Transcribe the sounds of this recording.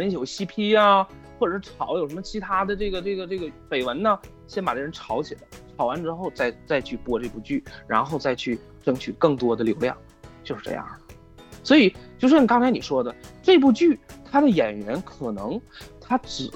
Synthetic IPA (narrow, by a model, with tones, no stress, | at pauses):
ə˥˧jo˨˩ʊɕi˥pʰi˥a˧ | xwɔ˥˩ʈ͡ʂə˨˩ʂɻ̩˥ʈ͡ʂʰɑ˧˩˥ʊjo˨˩ʊʂə˧˥mə˧t͡ɕʰi˧˥t̪ʰa˥d̪ə˨ʈ͡ʂɤ˥˩ɡə˩ʈ͡ʂɤ˥˩ɡə˩ʈ͡ʂɤ˥˩ɡə˩pe˨˩ɪwə˧˥nnə˧ | ɕjɛ˥npa˨˩ʈ͡ʂə˥˩˧ɻə˧˥nʈ͡ʂʰɑ˧˥ʊɕi˨˩lə˧˦ʈ͡ʂʰɑ˧˥ʊwa˧˥nʈ͡ʂɻ̩˥xo˥˧ʊt͡sa˥˧ɪt͡sa˥˧ɪt͡ɕʰy˥˩pwɔ˥ʈ͡ʂɤ˥˧pu˥˧˩t͡ɕy˥˩ɻa̰˧˥nxo˥˧ʊt͡sa˥˧ɪt͡ɕʰy˥˩ | ʈ͡ʂɤ˥ŋt͡ɕʰy˨˩kɤ˥˩ŋt̪wɔ˥d̪ə˨ljo˧˥ʊljɑ̰˥˩ŋ | t͡ɕjo˥˧ʊʂɻ̩˧ʈ͡ʂɤ̰˥˧jɑ̰˥˩ŋ | swɔ˧˥i˨˩t͡ɕjo˥˧ʊʂ̬ɻ̩˥n˨˩kɑ˥ŋt͡sʰa˧˥ni˨˩ʂwɔ˥d̪ə˨ʈ͡ʂɤ˥˧p̬u˥˧t͡ɕy˥˩t̪ʰa˥d̪ə˨jɛ˨˩nɥɛ˧˥nkʰɤ˨˩nɤ˧˥ŋt̪ʰa˥ʈ͡ʂɻ̩˨˩